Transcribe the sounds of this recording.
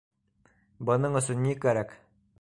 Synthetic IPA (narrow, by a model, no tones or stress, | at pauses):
bɤ̆nɤɴɵ̆sɵnːikæɾæk